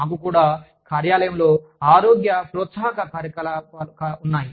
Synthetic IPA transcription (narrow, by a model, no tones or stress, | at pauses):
naːkukuːɽaː | kaːɾjaːlɐjɐmlo̞ː | aːɾoːɡjɐpɾɔːt̪saːɦkɐkaːɾjɐkɐlaɐkɐunːaːji